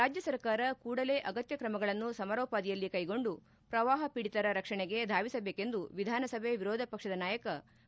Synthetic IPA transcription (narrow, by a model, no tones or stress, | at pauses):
ɾaːd͡ʒjɐsɐɾkaːɾɐkuːɽɐle̞ːʔɐɡɐt̪jɐkɾɐmɐɡɐɭɐnːusɐmɐɾɔːpaːd̪ijɐlːikɐjɡo̞ɳɖu | pɾɐʋaːɦɐpiɽit̪ɐɾɐɾɐkʂɐɳɛɡe̞d̪ʱaːʋisɐbeːke̞nd̪uʋid̪ʱaːnɐsɐbʱeʋiɾɔːd̪ʱɐpɐkʂɐd̪ɐnaːjɐkɐ